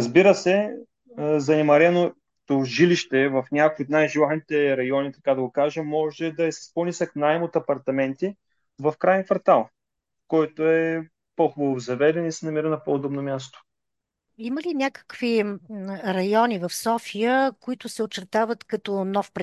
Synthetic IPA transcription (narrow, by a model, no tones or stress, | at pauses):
əzbiɾəsɛ | zɐnɛmɐɾɛno | t̪oʒiliʃt̪ɛvɐfnʲakojot̪najʒilˠat̪nit̪ɛɾɐjɔnit̪ɐkad̪ɐɡokaʒɛmːɔʒɛd̪ɐɛsɛ̥spolnisɐknaimot̪ɐpɐɾt̪ɐmɛnt̪i | vɐfkɾajɛnkvɐɾt̪alˠ | kɔjt̪oɛ | pɔxʊbəovzɐvɛd̪ɛnisɛnɐmiɾənɐpoːd̪ɔbnomʲjast̪o̥ | iməlinʲakə̥kvi | ɾɐjɔnivɐfsɔfijəkoit̪ʊsɛot͡ʃɛɾt̪avət̪kɐt̪ɔnɔfpɾ